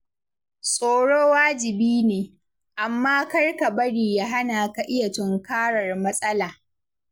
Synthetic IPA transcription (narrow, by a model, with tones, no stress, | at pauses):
sʼoː˨ɽoː˦waː˦d͡ʒɪ˨biː˦neː˨ | ʔa˨mːaː˦kɐ˦rka˨bɐ˦ɽiː˨jaː˦ɦa˦naː˨ka˨ʔɪ˦ja˨tʊ˦ŋkaː˦ɽɐ˨rmɐ˦sʼɐ˦laː˨